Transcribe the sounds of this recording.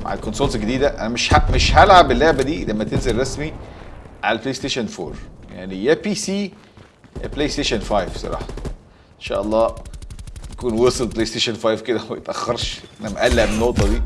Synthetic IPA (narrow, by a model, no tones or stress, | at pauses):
ma̰ʕḛlkonsolt̪ɡed̪iːd̪æʔæ̰næmeʃhaʔmeʃhælʕabelːoʕbæd̪iːlæmːæt̪enzelɾˤɑsmiʕa̰læplejst̪eːʃænfo̰ːɾˤja̰ʕnijæpiːsiː | plejst̪eːʃænfɑjvsˤɑ̰ɾˤɑ̰ːħɑ | ʔenʃæ̰ːʔɑlˤːɑː | j̪ækuːnwesˤlplejst̪eːʃonfɑjvked̪æmæjet̪ʔæxːɑɾˤʃʔænæmæʔælːæʔbnːoʔt̪ˤɑd̪iː